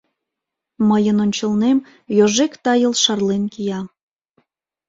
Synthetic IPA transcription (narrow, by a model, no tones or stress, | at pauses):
məjənonʲt͡ɕəlnem | joʒekt̪ɑjəlʃɑrlenkijɑ